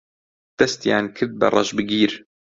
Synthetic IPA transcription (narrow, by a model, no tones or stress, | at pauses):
t̪ast̪iʕankʰɪd̪̚bɑ̰rˤːɑ̰ʒbɪɡiːɾ